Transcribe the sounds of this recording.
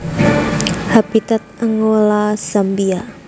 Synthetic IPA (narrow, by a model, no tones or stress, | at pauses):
habit̪at̪̚əŋɡolasambia